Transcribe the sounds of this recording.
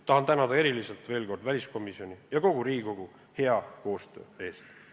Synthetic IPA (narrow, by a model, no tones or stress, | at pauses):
t̪ɑhɑnt̪ænɑd̪̥ɑe̞ɾiliselt̪ve̞ːlko̞rd̪̥vælʲisko̞misio̞nʲijɑko̞ɡ̥uɾiːɡiko̞ɡ̥u | he̞ɑko̞ːst̪ø̞̰ːe̞ːst̪